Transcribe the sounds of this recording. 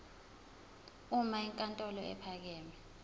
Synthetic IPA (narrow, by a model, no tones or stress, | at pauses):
umaiŋkʼantʼɔlɔɛ̰pʰak̬ɛːmɛ